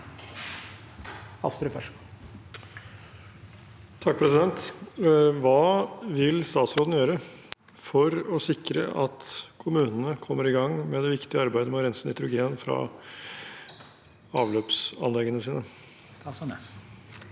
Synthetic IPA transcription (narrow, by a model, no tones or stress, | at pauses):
ɑ̰st̪ɾəpʰæʂ | t̪ʰɑk̚pʰɾɛsɪd̪ɛnt̪ | ʋɑːʋɪlst̪ɑːt̪sɾoːd̪n̩jøːɾə | fɔɾɔsɪkɾə̰ʔɑt̪kʰʊmʉːnənəkʰɔmːəɾɪɡɑŋːmɛd̪ɛʋɪkt̪ɪəɑɾbæɪd̪əmɔɾɛnsn̩ɪt̪ʰɾʊɡeːnfɾɑ̰ | ɑːʋløːpsɑ̰nlɛɡːənəsiːnə